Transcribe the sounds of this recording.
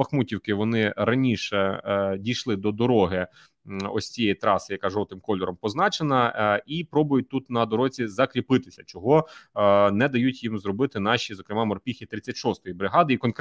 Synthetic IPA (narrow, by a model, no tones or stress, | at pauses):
ɐxmutʲiwkɪʋɔnɪɾɐnʲiʃɛdʲijʃlˠɪd̪ɔd̪ɔɾɔɦɪ | ɔsʲt͡sʲijɛjit̪ɾɑsɪjɐkɑʒɔt̪ɪmkɔlʲɔɾɔmpɔznɑt͡ʃenɐipɾɔbʊjʊt̚ʲt̪ut̪nɐd̪ɔɾɔzʲizɐkɾʲipɪt̪ɪsʲɐt͡ʃɔɦɔ | nɛd̪ɐjutʲjimzrɔbɪt̪ɪnɑʃizɔkɾɪmɑmɔrpʲixʲit̪ɾɪt͡sʲːɐtʲʃɔst̪ɔjibɾɪɦɑd̪ɪikɔnk